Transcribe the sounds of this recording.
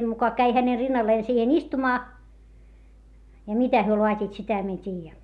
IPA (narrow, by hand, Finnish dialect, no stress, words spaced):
mukɑ kæi hæne rinːɑlːeː siːhen istumɑː jɑ mitæ hyø loɑtʲiːt sitæ mie en tʲiːjæ